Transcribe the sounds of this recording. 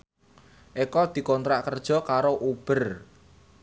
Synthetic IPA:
ʔekɔd̪̥i̤kɔnt̪ɾaʔkərd̥ʒ̥ɔ̤kaɾoʔub̥ər

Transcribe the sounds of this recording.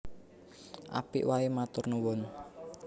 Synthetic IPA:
ʔa̰pḭʔwaemat̪ʊrnuwɔn

